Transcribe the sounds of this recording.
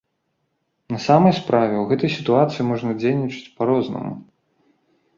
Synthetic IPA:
nɐsamɐjspɾavʲɛwɣɛt̪ɐjsʲit̪uat̪sɨjimɔʐnɐd͡zʲejnʲit͡ʂɨ̥t͡sʲpaɾɔznɐ̰mṵ

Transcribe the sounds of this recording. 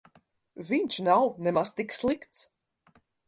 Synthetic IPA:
vʲiɲʲt͡ʃnawnɛmast̪ikslˠikt̪s

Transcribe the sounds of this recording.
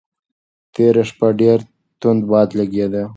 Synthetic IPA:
t̪eɾaʃpaɖeɾ | t̪ʊnd̪bɑːd̪laɡed̪e

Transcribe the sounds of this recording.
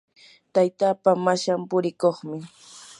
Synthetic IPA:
t̪ajt̪aːpamaʃampʊɾɪkoχmɪ

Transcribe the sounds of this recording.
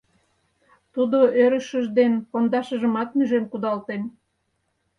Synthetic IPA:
t̪ud̪oøɾəʃəʒd̪enpond̪ɑʃəʒəmɑt̪myʒemkud̪ɑlt̪en

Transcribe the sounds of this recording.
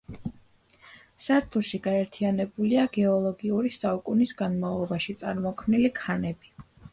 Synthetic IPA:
saɾt̪ʰuʃiɡaɛɾt̪ʰianɛbuliaɡɛɔlˠɔɡiuɾisaukʼunisɡanmavlˠɔbaʃit̪sʼaɾmɔkʰmnilikʰanɛbi

